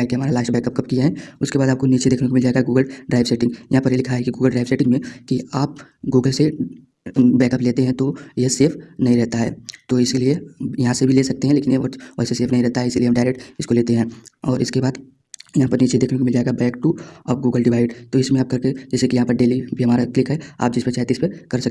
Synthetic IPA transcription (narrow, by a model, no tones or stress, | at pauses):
akeɦɐmaːɾalaːʃʈbɛːkɐp̚kɐpkijaɦɛʊskebaːd̪aːp̚koniːt͡ʃed̪eːkʰnekomɪld͡ʒaːeɡaɡuːɡəlɖɾaːɪʋseːʈɪ̃ŋɡjɐɦãpɐɾeːlikʰaɦaɦɛkiɡuːɡəlɖɾaːɪʋseːʈɪ̃ŋɡmẽkiaːp̚ | ɡuːɡəlse | bɛːkəpleːt̪eɦɛ̃t̪ojeseːfʰnɐɦĩɾɛɦt̪aɦɛːt̪oːɪseliejɐɦãsebʱileːsɐk̚t̪eɦɛ̃leːkɪneʋɐseseːfnɐɦĩɾɛɦt̪aɦɛɪsiliemɖaːɪɾek̚ʈɪskoleːt̪eɦɛ̃ɔːɾɪskebaːd̪ | jɐɦãpɐɾniːt͡ʃed̪eːkʰnekomɪld͡ʒaːeɡabɛːkʈuɔːɾɡuːɡəlɖɪʋaːɪɖt̪oɪsmẽaːp̚kɐɾked͡ʒɛːsekijɐɦãpɐɾɖeːlibʱiɦɐmaːɾaklɪkɦɛa̰ːp̚d͡ʒɪspɐɾt͡ʃaːjt̪eɪspekɐɾsɐkː